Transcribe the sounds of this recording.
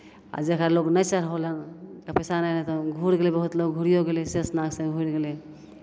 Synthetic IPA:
a̰d͡ʒeəkɾaloɡnəjt͡ʃəɾɦolnkapɛsanəjnet̪ɔɡʱuɾɡelebəɦut̪loɡɡʱuɾijoɡelesesnaɡsẽɡʱuɾɡele

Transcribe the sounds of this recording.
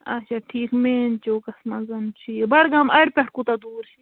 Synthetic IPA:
ɐ̰t͡ʃʰaʈʰiːkmeːnt͡ʃoːkɐsmɐzɐnt͡ʃʰiːbɐɽɡamɐɽpʲɐʈkut̪ɐd̪uːɾt͡ʃʰi

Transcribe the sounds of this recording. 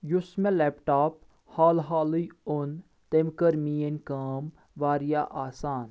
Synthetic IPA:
jʊsmẽlɛːpʈaːp | haːlɦaːlijʊn | t̪emkəɾmiːɐnkaːm | ʋaːɾijaːʔaːsaːn

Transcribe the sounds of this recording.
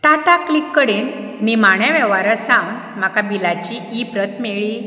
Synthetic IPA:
t̪aʈaklikːəɽenː | imaɳjaʋɛʋaɾəsãm | m̤akabilat͡ɕiːpɾət̪meɭi

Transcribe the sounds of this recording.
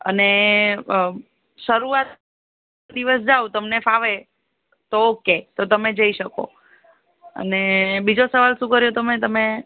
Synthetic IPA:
ə̰ne | ʃəɾuat̪ | d̪iʋəsd͡ʒaut̪əmnefaʋe | t̪oːket̪ot̪əmed͡ʒəiʃəko̰ | ə̰nebid͡ʒosəʋalʃũkəɾjot̪əmet̪əme

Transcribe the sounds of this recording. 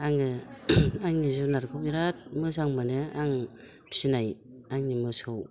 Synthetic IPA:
aŋɯaŋɲizunaɾkʰopiɾat̚mɯzaŋmaneaŋ | pi̥sinaj | aŋɲimɯsow

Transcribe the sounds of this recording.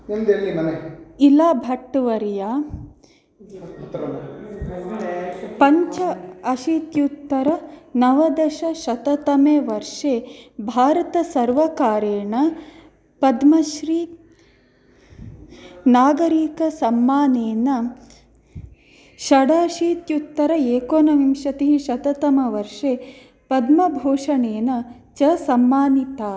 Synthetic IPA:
nimd̪eimɐneilaːbʱɐʈːʋɐɾjaː | pɐɲt͡ʃɐɐʃit̪jut̪ːɐɾɐnɐʋɐd̪ɐʃɐʃɐt̪ɐt̪ɐmeːʋɐɾʂeːbʱaːɾɐt̪ɐsɐɾʋɐkaːɾeːɳɐ | pɐd̪mɐʃɾiː | naːɡɐɾiːkɐsɐmːaːneːnɐ | ʃɐɽaːʃiːt̪jut̪ːɐɾɐeːkoːnɐʋimʃɐt̪iɦiʃɐt̪ɐt̪ɐmɐʋɐɾʂeː | pɐd̪mɐbʱoːʂɐneːnɐt͡ʃɐsɐmːaːnit̪aː

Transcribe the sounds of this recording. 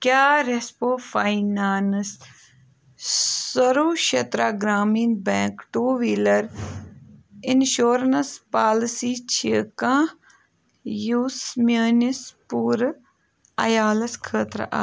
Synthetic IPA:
kʲaːɾespoːfainaːns | sɐɾoːʃɐt̪ɾaːɡɾaːmiːnbɛ̃ːŋkʈuːʋiːlɐɾ | ɪnʃoːɾnɐspaːlsiːt͡ʃʰikãː | juːsmjəːnispuːɾ | ɐjaːlɐskʰəːt̪ɾ̰ʔa̰ː

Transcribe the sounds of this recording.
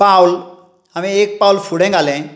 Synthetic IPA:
pawl | amĩek̚pawlfuɽɛ̃ɡalɛ̃

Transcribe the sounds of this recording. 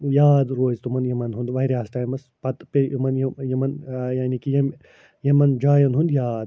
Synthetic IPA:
jaːd̪ɾoːzt̪umɐnjɐmɐnɦund̪ʋɐjɾʲaːsʈaːjmɐspɐt̪pejimɐnjijɐmɐnjaːnikijem | jɐmɐnd͡ʒaːjɐnɦund̪jaːd̪

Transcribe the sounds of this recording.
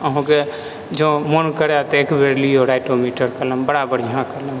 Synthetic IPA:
əɦãke | d͡ʒõːmonkəɾat̪eːkbeɾliɔːɾaɪʈomiːʈəɾkələ̃mbəɽabəɽjãkələ̃m

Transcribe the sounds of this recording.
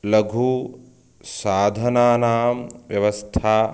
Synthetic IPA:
lɐɡʱu | saːd̪ʱɐnaːnaːmʋjɐʋɐst̪ʰaː

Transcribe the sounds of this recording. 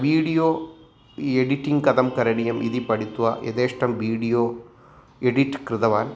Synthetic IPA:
ʋiːɽijoː | ɛɽiʈːiŋkɐðɐmkɐɾɐɳɪjɐmʔiðipɐɽit̪ːuʋaːʔɛ̰ðeːʂʈrɐmʋiːɽijoː | ɛɽiʈːkɾɪðɐʋaːn

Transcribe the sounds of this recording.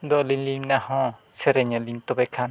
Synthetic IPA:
d̪ɔlinlimnahɔ̃ | sɛɾɛɲɔlint̪ɔbɛkʰan

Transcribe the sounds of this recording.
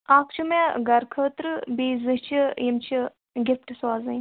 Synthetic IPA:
aːkʰt͡ʃʰumẽɡɐɾkʰəːt̪ɾɨbiːzɨɦt͡ʃʰijimt͡ʃʰi | ɡʲifʈswaːzɨn

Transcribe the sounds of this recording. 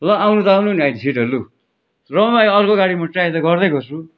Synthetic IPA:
lʌawnut̪ʌawnuniajnisʰiʈʌlu | rʌmajʌrkoɡaɽimʌʈrajt̪ʌɡʌrd̪ʌkʌt͡sʰu

